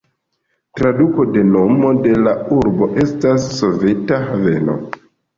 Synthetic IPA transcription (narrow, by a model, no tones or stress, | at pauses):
tɾaduko̞de̞no̞mo̞de̞lauɾbo̞ʔe̞stasːo̞ve̞taɦave̞̰no̞̰